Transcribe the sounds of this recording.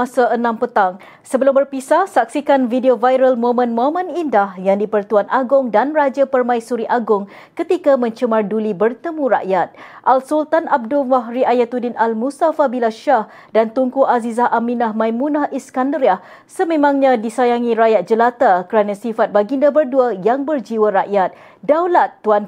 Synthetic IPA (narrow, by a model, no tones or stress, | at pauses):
asaʔənãmpət̪aŋ | səbəlʊmbərpisasak̚sikanvideovajɾəlmomə̃nmoamə̃nindahjaŋdipərt̪uanʔaɡʊŋdanrad͡ʒapərmãisuɾiʔaɡʊŋ | kət̪ikamə̃ɲt͡ʃəmardulibərt̪əmũɾaʔjat̪̚ʔalsult̪anʔab̚duwaɦɾiʔajat̪udɪnalmust̪afabilaʃah | dant̪uŋkuʔazizaɦʔaminahmãjmunahʔiskandəɾiah | səmẽmãŋɲãdisajaŋiɾajat̪̚d͡ʒəlat̪akəɾanãsifat̪̚baɡindabərduajaŋbərd͡ʒiwaɾaʔjat̪̚ | dawlat̪ːuan